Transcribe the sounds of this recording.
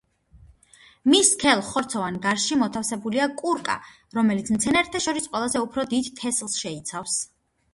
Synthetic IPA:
miskʰɛlˠχɔɾt̪sʰɔvanɡaɾʃimɔt̪ʰafsɛbuliakʼuɾkʼa̰ | ɾɔmɛlit̪smt̪sʰɛnɛɾt̪ʰaʃɔɾisqʼwɛlˠazɛupʰɾɔd̪id̪t̪ʰɛslˠsʃɛit̪sʰafs

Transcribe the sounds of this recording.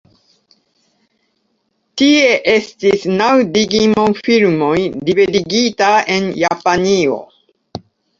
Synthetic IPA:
tie̞ʔe̞stisnawdiɡimonfilmo̞jdivediɡitae̞njapanio̞̰

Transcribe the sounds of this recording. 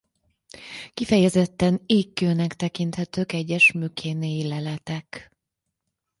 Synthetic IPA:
kifɛjɛzɛt̪ːɛneːkːøːnɛkt̪ɛkint̪hɛt̪øːkɛɟːɛʃmykʰeːneːjilɛlɛt̪ɛk

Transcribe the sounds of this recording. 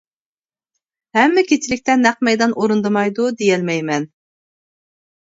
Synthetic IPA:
hɛmːɪkʲet͡ʃʰɪlɪk̚ʲt̪ʰɛnæq̚mɛjd̪ɑnʔoɾund̪ɨmɑjd̪ud̪ejɛlmɛjmɛn

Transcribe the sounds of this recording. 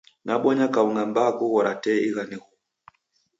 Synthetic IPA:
naɓɔɲakauŋɡambakuɣɔɾatɛiɣaniɣu

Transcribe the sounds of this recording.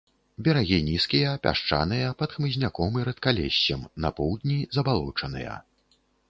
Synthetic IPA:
bʲɛɾaɣʲinʲiskʲijɐpʲa̰ʂt͡ʂa̰nɨjɐpɐt̪xmɨzʲnʲakɔmɨɾɐt̪kalʲɛɕʲt͡sɐmnɐpɔwd̪ʲnʲizɐbalˠɔt͡ʂɐnɨ̰jɐ̰

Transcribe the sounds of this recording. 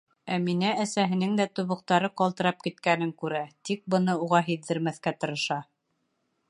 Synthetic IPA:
æminæːsæɦɘ̆nɘŋd̪æt̪uβɤ̆q̚t̪ɑɾɤqɒlˠt̪ɤ̆ɾɑp̚kit̪kænɘŋkʉɾæt̪ik̚bɤ̆nɤuʁɑɦiððɘ̆ɾmæθkæt̪ɤ̆ɾɤ̆ʃɑ

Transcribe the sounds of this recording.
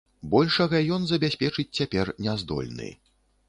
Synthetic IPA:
bɔlʲʂɐɣɐjɔnzɐbʲasʲpʲɛt͡ʂɨt͡sʲt͡sʲapʲɛrnʲɛzd̪ɔ̰lʲnɨ̰

